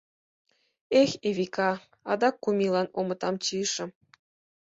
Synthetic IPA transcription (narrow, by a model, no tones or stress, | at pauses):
exeβikɑ | ɑ̰d̪ɑkːumʲilɑnomət̪ɑmt͡ɕiʃə̆m